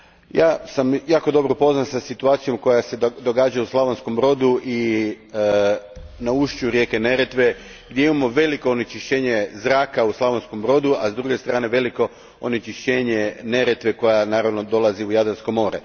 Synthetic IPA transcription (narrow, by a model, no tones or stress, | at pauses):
jaːsamjaːko̞d̪o̞bɾopo̞znansasit̪uaːt̪sijo̞mko̞jase̞d̪o̞ɡaːd͡ʒajuslˠaʋonskombɾo̞ːd̪uʔi | nauʃt͡ʃuuɾje̞ːke̞ne̞ɾet̪ʋe̞ | ɡd̪jeimamo̞ʋe̞liko̞onit͡ʃiʃt͡ɕe̞ːɲe̞zɾaːkauslˠaʋonsko̞mbɾo̞d̪uazd̪ɾuɡe̞st̪ɾaːne̞ʋe̞liko̞ | onit͡ʃiʃt͡ɕe̞ːɲe̞ne̞ɾe̞t̪ʋe̞ko̞janaːɾaʋno̞d̪o̞laziujad̪ɾansko̞mo̞ːɾḛ